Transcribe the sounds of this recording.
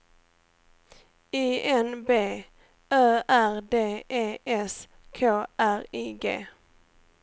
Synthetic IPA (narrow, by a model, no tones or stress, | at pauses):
iːɛnbeː | øːæɾd̪eːʔeːɛs | kʰoːʔæɾiːɡḛː